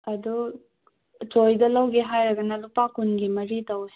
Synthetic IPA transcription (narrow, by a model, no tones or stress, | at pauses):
ɐd̪u | t͡ʃojd̪ɐlɐwɡeɦajɾɐɡɐnalupakunɡimɐɾid̪ɐwɛ